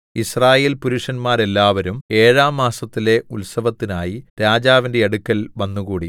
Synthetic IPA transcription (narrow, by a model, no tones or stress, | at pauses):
israːje̞ːlpuɾuʂɐnmaːɾe̞lːaːʋɐɾume̞ːɻaːmːaːsɐt̪ːile̞ulsɐʋɐt̪ːinaːjiɾaːd͡ʑaːʋinde̞ɐɽukːɐlʋɐnːuɣuːɽi